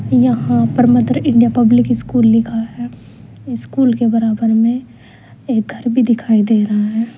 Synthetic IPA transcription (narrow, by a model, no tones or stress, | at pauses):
jɐɦãpəɾmət̪ɾɪ̃ɳɖijapɐblɪkɪskuːlːɪkʰaɦɛː | ɪskuːlkebɐɾaːbəɾmẽ | eːk̚ɡʱɐɾbʱid̪ɪkʰaːid̪eːɾɐɦaɦɛː